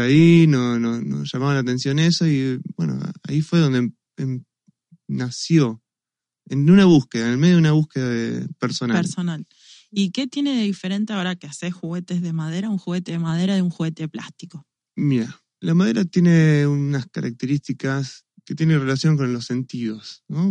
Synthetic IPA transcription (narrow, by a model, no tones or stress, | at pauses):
ainonosno̰sʒ̥amaβanlat̪ẽ̞nsjo̞nesoibwe̞̰no̰a̰ifweðond̪e | em | nasjo̞ | enunaβuhkeðanelmejunaβ̞uhkeðaðḛpeɾso̞naeɾsonal | ike̞t̪jeneðeðifeɾe̞nt̪eaoɾakeasexuɣet̪ezðemað̞eɾauŋxuɣet̪eðemað̞eɾaðeũŋxuɣet̪epla̰st̪iko | miɾa | lamaðeɾat̪je̞ne̞unaskaɾʔa̰k̚t̪eɾist̪ikas | ket̪jenere̞lasjo̞ŋk̬o̞nlo̞se̞nt̪iðo̞sno